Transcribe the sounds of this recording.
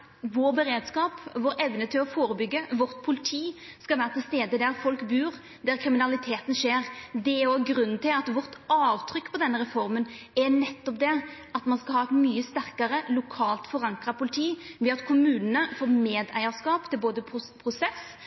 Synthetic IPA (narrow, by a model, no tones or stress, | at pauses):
ʋoːɾbɛɾeːd̪skɑːpʋoːɾɛʋnət̪ʰɪlɔfoːɾəbʏɡːəʋɔɾt̪pʰʊlɪt̪ʰiːskɑlʋæːɾət̪ʰɪlst̪eːd̪əd̪æɾfɔlkbʉːɾ | d̪æɾkʰɾɪmɪnɑlɪt̪ʰeːt̪n̩ʂeːɾd̪ɛæɾɔɡɾʉnːnt̪ʰɪlɑt̪ʋɔɾt̪ʔɑːʋt̪ʰɾʏkːpʰɔd̪ɛnːəɾɛfɔɾmənɛɾnɛt̪ːɔp̚d̪ɛ | ɑt̪mɑnskɑlhɑːɛt̪myːəst̪æʁkəɾəlʊkʰɑːlt̪fɔɾɑŋkɾɑpʰʊlɪt̪ʰiːʋɛɑt̪kʰʊmʉːnənəfoːɾmeːd̪æ̰ɪɑskɑːpt̪ʰɪlboːd̪əpʰpʰɾʊsɛs